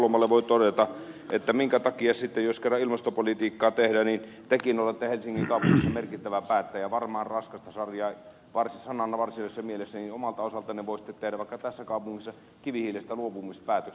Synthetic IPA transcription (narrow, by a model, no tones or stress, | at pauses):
lomɑlːeʋoˑit̪odet̪ɑʔet̪ːæmiŋkæt̪ɑkiɑsit̪ːejoskerːɑʔilmɑst̪opolit̪iːkːɑːt̪ehdænin | t̪ekinolːɑet̪ːæhelsiŋːiŋkɑˑupuŋːisːɑmerkit̪ːæʋæpæːt̪ːæːjjɑʋɑrmɑːnrɑskɑst̪ɑsɑrjɑː | ʋɑrsisɑnɑnːɑʋɑrsilesːɑmielesːæninomɑlt̪ɑosɑlt̪ɑneʋoˑisi̥t̪ːet̪ehdæʋɑˑikːɑt̪æsːækɑˑupuŋːisːɑ | kiʋihiːlest̪æluopumispæːt̪øk